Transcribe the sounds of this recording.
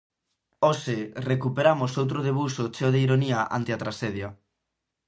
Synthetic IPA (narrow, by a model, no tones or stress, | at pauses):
oserekupeɾamʊsowt̪ɾʊð̞eβ̞usʊt͡ʃeoðeiɾoniaʔa̰nt̪ɪat̪ɾaseðjɐ